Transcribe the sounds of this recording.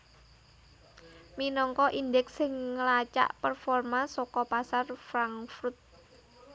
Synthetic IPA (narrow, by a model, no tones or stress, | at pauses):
minɔŋkɔʔindɛksɪŋːəlat͡ʃa̰ʔpərfɔrmansɔkɔpasarfɾaŋfɾut̪̚